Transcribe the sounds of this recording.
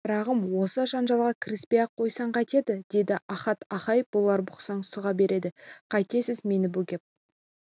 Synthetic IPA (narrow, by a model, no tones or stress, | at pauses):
b̥ɾɑʁəmwo̞səʒɑnʒɑlˠʁɑkʲʰɪɾɪspejɑqʰːo̞jsɑɴqɑjt̪e̞d̪ɪd̪e̞d̪ɪʔɑχɑt̪ʰɑχɑjəp̚bʊlˠɑɾbʊqsɑɴsʊʁɑbe̞ɾe̞d̪ɪqʰɑjt̪e̞sɪzme̞nɪbuɡʲe̞p̚